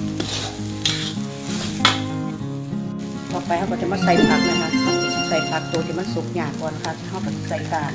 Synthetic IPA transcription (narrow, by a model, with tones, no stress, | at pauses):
t̪ʰɔː˨˩pa˧˦jha˧˥˩wkɔː˧˩t͡ɕa˧˩maː˧˥˩sa˧˩jpʰa˧˥k̚la˧˩˨na˧˩˧a˧˩˨i˧˩a˧˩sa˧˩jpʰa˧˥k̚t̪oː˧t̪ʰi˧˩˨ma˥˨su˨˦˥k̚ɲaː˧˩kɔː˧˦na˧˨kʰa˧˥˩ha˧˩wka˧˩t͡ɕa˨˧˩sa˧˩jk̪aː˧˩